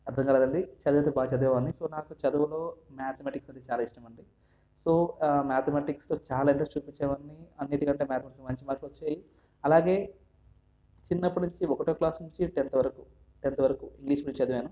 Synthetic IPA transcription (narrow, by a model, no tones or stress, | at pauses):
ɐɾd̪ʱɐŋkɐlɐːd̪ɐɳɖit͡ʃɐd̪ɐʋɐt̪̬ebaːt͡ʃɐd̪uɐɐnːiso̞ːnaːkut͡ʃɐd̪uʋɐlo̞ːmaːt̪ʰɐmaːʈiksɐnt̪et͡ʃaːlaːiʂʈɐmɐɳɖi | so̞ːmaːt̪ʰɐmaːʈikst̪o̞ːt͡ʃaːlaːiɳʈrest͡ʃuːpiɲt͡ʃːamɐnːiɐnːiʈikɐɳʈe̞ːmjaːt̪ɐmaːʈikmɐɲt͡ʃimaːɾʈluot͡ʃːaːji | ɐlaːɡe̞ː | t͡ʃinːɐpːunuɲt͡ʃiɔkɐʈoːklaːsnuɲt͡ʃitɛnt̪ɐʋɐɾɐku | t̪ɛnt̪ɐʋɐɾɐkuiŋɡliːʃpuɽuɲt͡ʃit͡ʃɐd̪uʋeːnu